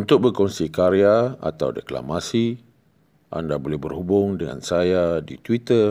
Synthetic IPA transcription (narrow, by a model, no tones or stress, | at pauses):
unt̪ʊk̚bərkɔnsikaɾiaa̰t̪awdəkla̰masi | ʔa̰ndabolɛhbərhubʊŋdəŋa̰nsajadit̪wit̪ər